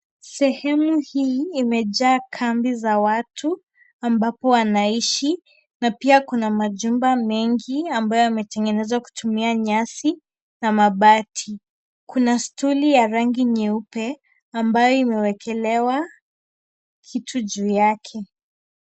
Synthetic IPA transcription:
sɛhɛmuhiːmɛʄaːkʰambizawatʰu | ambapɔwanaiʃi | napiakunamaʄumbamɛŋɡiambajɔamɛtɛŋɡɛnɛzaku̥tʰumiaɲasi | namaɓatʰi | kunastulijaɾaŋɡiɲɛupɛ | ambajɔimɛwɛkʰɛlɛwa | kʰitʰuʄuːjakʰɛ

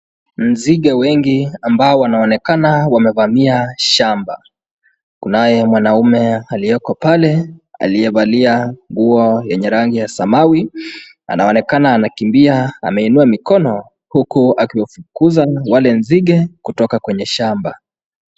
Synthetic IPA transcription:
m̩ziɡɛwɛŋɡiambaɔwanaɔnɛkanawamɛvamiaʃamba | kunajɛmwanaumɛalijɔkɔpalɛa̰liɛvaliaŋɡuɔjɛɲɛɾaŋɡijasamawi | a̰naɔnɛkanaːnakimbiaa̰mɛinuamikɔnɔ | hukuakiwafukuzawalɛnziɠɛkutɔkakwɛɲɛʃamba

